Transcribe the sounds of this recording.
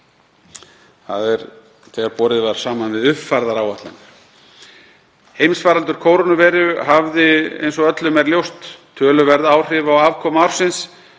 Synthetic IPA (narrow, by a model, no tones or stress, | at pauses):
θa̰ðɛɾ | t̪ʰɛːɣaɾpɔːɾɪðvaɾ̥saːmanvɪðʏvfaɾðaɾaːwaht̪an | hejmsfaːɾalt̪ʏɾ̥kʰoːwɾɔnʏvɛːɾʏɦavðɪḛjnsɔœt̪lʏmɛɾljowst̪ʰː | œːlʏvɛɾðaːwr̥ɪvaowaːvkʰɔːmawɾ̥sɪns